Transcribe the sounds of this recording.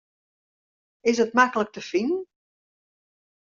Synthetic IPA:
ɪsət̚makələk̚təfinn

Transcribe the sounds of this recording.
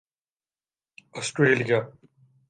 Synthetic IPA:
ɔsʈɾeːlija

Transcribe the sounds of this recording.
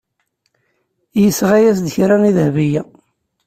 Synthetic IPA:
jəsʁæjæsd̪əçɾæniðhvijæ

